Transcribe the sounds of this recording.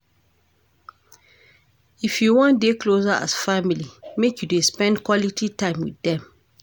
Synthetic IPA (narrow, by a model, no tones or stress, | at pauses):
ifjuwɔ̃ndekʰlosaa̰sfamilimekjudespɛ̃ndkʰwɔlitʰitʰãɪ̃mwḭðɛ̃m